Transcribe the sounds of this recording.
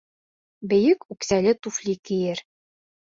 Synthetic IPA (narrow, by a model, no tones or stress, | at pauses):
bɘ̆jɘkʉksælɘt̪uflʲikɘ̆jɘɾ